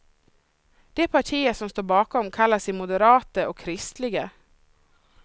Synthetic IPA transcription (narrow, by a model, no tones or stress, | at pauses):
d̪̥eːpʰɑʈʰiːəsɔmst̪oːɾbɑːkɔmkʰɑlːəsɪmʊd̪əɾɑːt̪əʔoːkʰɾɪst̪lɪɡə